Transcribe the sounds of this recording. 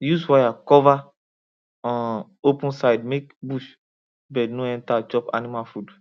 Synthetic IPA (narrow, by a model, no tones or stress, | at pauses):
juzwajakɔva | ɔ̃n | opũnsajdmekbuʃ | bɛnũɛ̃ntat͡ʃɔpa̰nimalfud